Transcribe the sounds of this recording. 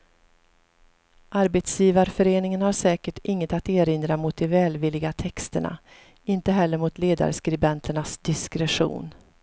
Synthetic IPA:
ʔaɾbɛt̪sjiːvaɾfœɾeːnɪŋənhaɾʂɛːkəʈɪŋːət̪at̪eːɾɪnd̪ɾamʊt̪̚d̪ɛvɛːlvɪlːɪɡat̪ʰɛkst̪əɳa̰ | ɪnt̪əɦɛlːəɾmʊt̪leːd̪a̰ɾskɾɪbɛnt̪ʰəɳasd̪ɪskɾɛɧṵːn

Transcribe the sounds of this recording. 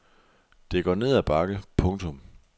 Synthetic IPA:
d̥e̝ɡ̥ɒ̰ːne̝ð̰ˠæb̥ɑ̈ɡ̥əpʰɔ̽ŋt͡sʰɔ̽m

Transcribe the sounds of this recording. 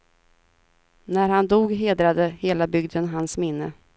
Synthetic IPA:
næɾhand̪uːɡɦeːd̪ɾad̪əheːlabʏɡd̪ənɦansmɪnːə

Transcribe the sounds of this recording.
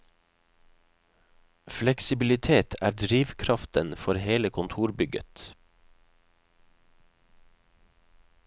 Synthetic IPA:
flɛksɪbɪlɪt̪ʰeːt̪ʰæ̰ːɖɾiːʋkʰɾɑft̪ənfɔɾheːləkʰʊnt̪ʰuːɾbʏɡə̰t̪

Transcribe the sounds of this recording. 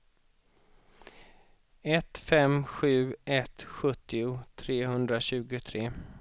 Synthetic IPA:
ɛt̪fɛmɧʉ̟ːʔɛt̪ɧɵt̪ːɪʊt̪ʰɾeːhɵnd̪ɾaɕʉ̟ːɡʊt̪ʰɾeː

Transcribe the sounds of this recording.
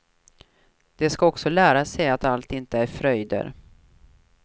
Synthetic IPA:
d̪̥ɛskaɔksɔlæːɾasɛjat̪alt̪ɪnt̪əæɾfɾœjd̪ə̰ɾ

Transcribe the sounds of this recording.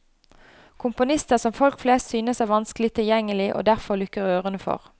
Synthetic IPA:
kʰʊmpʊnɪst̪əʁsɔmfɔlkfleːst̪syːnəsæʋɑnskəlɪt̪ʰɪljɛŋːəlɪʔo̰ːd̪æʁfɔʁlʏkəʁøːʁənəfɔ̰ʁ

